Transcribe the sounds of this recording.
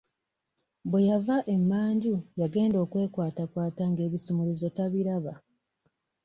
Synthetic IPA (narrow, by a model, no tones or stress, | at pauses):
bwe̞javaʔe̞mːaːɲɟujaɡe̞ːndo̞ːkwe̞ːkwaːtakwaːtaŋɡe̞ːβisimulizo̞taβiɾaβa